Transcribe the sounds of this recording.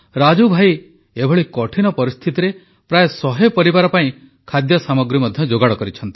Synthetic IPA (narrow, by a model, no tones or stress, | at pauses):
ɾad͡ʒubʱai | ebʱɔɭikɔʈʰinɔpɔɾist̪ʰit̪iɾe | pɾajesɔɦepɔɾibaɾɔpaĩ | kʰad̪jɔsamɔɡɾimɔd̪ʱjɔd͡ʒoɡaɽɔkɔɾit͡ʃʰɔnt̪i̥